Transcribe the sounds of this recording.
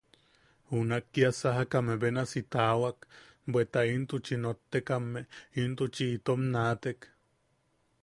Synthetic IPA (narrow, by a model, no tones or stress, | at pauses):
hunakːiasaɦakameβenasit̪aːwak | bwet̪aint̪ut͡ʃinot̪ːekamːeint̪ut͡ʃiːt̪omnaːt̪ek